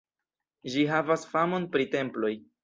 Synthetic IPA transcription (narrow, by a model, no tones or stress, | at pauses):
ʒiɦavasfamo̞npɾite̞mplo̞j